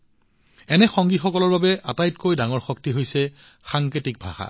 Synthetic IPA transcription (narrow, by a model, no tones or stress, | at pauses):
ɛnɛxɔŋɡixɔkɔlɔɹbabɛʔatajtkojdaŋɔɹxɔk̚tiɦojsɛ | xaŋketik̚bʱa̰xa̰